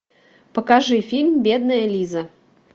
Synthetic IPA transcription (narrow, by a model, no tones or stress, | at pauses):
pəkaʐɨfʲilʲmbʲed̪nəjəlʲizə